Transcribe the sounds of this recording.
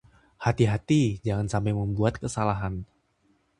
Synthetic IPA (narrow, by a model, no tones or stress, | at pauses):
hat̪iɦat̪id͡ʒaŋansampajməmbuat̪kəsalaɦan